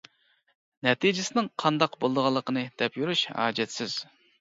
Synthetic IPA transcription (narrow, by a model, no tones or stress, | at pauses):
nɛt̪ʰid͡ʒɪsɪnɪŋqʰɑnd̪ɑqbolˠd̪əʁɑlˠːəqənɨd̪̥ɛpjuɾyʃɑ̰ːd͡ʒɛt̪sɪz̥